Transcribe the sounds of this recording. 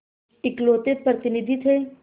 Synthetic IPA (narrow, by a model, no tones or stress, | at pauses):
ɪkloːt̪et̪̚pɾɐt̪inid̪ʱit̪ɦe